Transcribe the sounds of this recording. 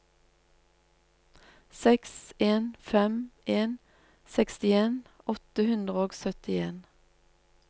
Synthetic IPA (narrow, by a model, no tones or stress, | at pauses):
sɛkseːnfɛmeːn | sɛkst̪ɪeːnɔt̪əhʉnd̪ʁəoːɡsœt̪ɪeːn